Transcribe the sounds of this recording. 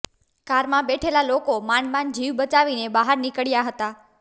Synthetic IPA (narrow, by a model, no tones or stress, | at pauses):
kaɾmãbeʈʰelalokomanmand͡ʒiʋbət͡ʃaʋinebaɦaɾnikəɽjaɦət̪a